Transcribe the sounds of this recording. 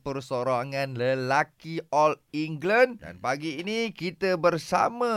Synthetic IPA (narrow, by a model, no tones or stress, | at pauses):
pərsoɾaŋanləlakiɔliŋɡlənda̰npaɡiːnikit̪abərsa̰ma